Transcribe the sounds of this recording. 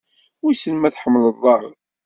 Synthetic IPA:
wisənmæθħəmːləðˤɑʁ

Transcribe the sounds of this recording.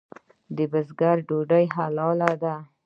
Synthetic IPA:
d̪əbəzɡaɾɖoɖajɦalɑlad̪a

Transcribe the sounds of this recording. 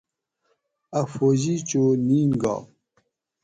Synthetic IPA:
afoʑit͡ɕoniːnɡa̰ː

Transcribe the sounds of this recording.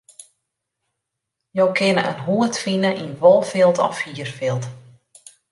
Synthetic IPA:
jowkʰɪnəʔənɦuətfinəʔinʋolˠfɪlˠtɔ̰fiːərfɪlˠt

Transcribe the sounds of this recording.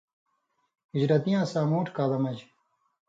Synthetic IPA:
id͡ʑɾɐt̪ijãːsaːmoːʈʰkaːlɐmɐd͡ʑ

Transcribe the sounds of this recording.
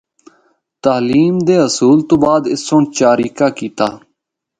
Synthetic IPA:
t̪aːliːmd̪eːɦəsuːlt̪õːbaːd̪ɪsːõːɳt͡ʃaːɾiːkaːkiːt̪aː

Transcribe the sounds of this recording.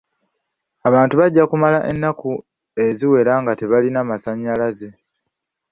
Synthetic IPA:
aβaːntuβaɟːakumalaʔe̞nːaku | e̞ziwe̞laːŋɡate̞βalinamasaɲːalaze̞

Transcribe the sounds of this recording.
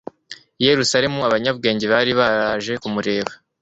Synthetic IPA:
je̞ɾusaɾe̞muaβaɲabɡe̞ːɲɟeβaːɾiβaɾaːʒe̞kumuɾe̞ːβa

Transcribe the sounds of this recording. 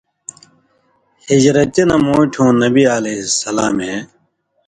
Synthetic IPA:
hid͡ʑɾɐt͡ɕenɐmoːʈʰõːnɐbiaːleɦisɐlaːmẽ

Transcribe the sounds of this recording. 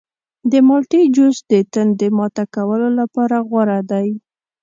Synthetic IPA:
d̪əmɑlʈid͡ʒosd̪ət̪ənd̪əmɑt̪akawəlolapɑɾaɣwaɾad̪aj

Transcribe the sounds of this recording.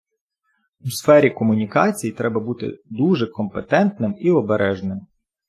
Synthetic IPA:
usfɛɾʲikɔmʊnʲikɑt͡sʲijit̪ɾɛbɐbut̪ɪ̰d̪uʒɛkɔmpet̪ɛnt̪nɪmiɔbeɾʔɛʒnɪm

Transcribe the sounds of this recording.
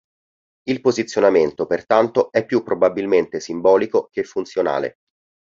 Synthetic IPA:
ilpozit̪sːjonament̪opert̪ant̪oɛpːjupːɾobabilment̪esimbɔːlikok̟efːunt̪sjona̰ːlḛ

